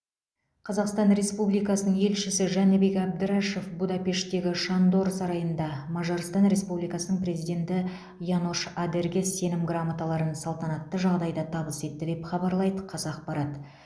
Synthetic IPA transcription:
qʰɑzɑqst̪ɑnɾe̞spublijkɑsənəɴe̞lʃɪsɪʒɑnɪbe̞kæb̚d̪ɪɾɑʃe̞fbud̪ɑpe̞ʃt̪e̞ɡʲɪʃɑnd̪o̞ɾsɑɾɑjənd̪ɑmɑʒɑɾst̪ɑnɾe̞spublijkɑsənəɴpɾe̞zijd̪ʲe̞nt̪ɪ | jɑnuʃad̪e̞ɾɡʲe̞sːe̞nɪmɡramat̪alˠɑɾənsɑlˠt̪ɑnɑt̪ːəʒɑʁd̪ɑjd̪ɑt̪ʰɑbəse̞t̪ːɪd̪e̞pχɑbɑɾlˠɑjd̪əqʰɑzɑːq̚pɑɾɑt̪

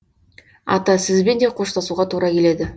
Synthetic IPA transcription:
ɑ̰t̪ɑsɪzbe̞nd̪e̞qʰo̞ʃt̪ʰɑsuʁɑt̪ʰuɾɑkʲe̞le̞d̪ɪ

